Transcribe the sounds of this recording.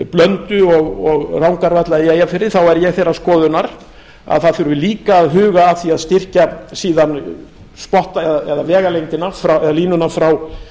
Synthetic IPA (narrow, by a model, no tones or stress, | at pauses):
plœnt̪ʏɔɣɔɣrawŋkaɾvat̪laðɪeːjafɪɾɪθawɛɾjɛɣθejɾaskɔːðʏnaɾ | a̰ðθaðθʏɾɪliːkaːðɦʏːɣaːθiaðst̪ɪr̥casiːðan | spɔht̪aɛðaɛðavɛːɣalejnt̪ɪnafɾawɛðaliːnʏnafɾaw